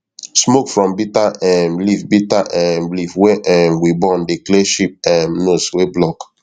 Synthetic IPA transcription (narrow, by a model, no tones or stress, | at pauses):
smokfɹɔ̃mbitaɛmlifbitaʔɛmlifweʔɛmwibɔ̃ndekleʃip̚ɛmnosweblɔk